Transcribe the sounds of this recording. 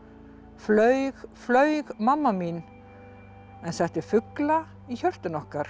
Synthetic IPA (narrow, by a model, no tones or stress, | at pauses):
flœːɥɣflœːɥɣmamːamin | ɛnθɛht̪ɪfʏkla | içœɾ̥t̪ʏnɔhkaɾ̥